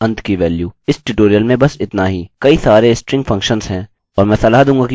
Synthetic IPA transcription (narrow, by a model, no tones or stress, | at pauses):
ɐ̃nt̪kiʋɛːljuːɪsʈuːʈoːɾijəlmẽbɐsɪt̪naɦikɐisaːɾesʈɾɪ̃ŋɡfʰɐ̃ŋkʃə̃nzɦɛ̃ː | ɔːɾmɛ̃sɐlaːɦd̪ũːɡaki